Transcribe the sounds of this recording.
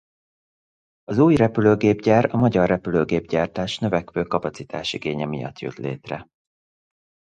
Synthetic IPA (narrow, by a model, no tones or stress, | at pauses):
ɒzuːjrɛpyløːɡeːbɟaːrɒmɒɟɒrːɛpyløːɡeːbɟaːrt̪aːʃnø̞vɛkʋøːkɒpɒt̪sit̪aːʃiɡeːɲɛmijɒ̰t̪jø̰t̪lḛːt̪rɛ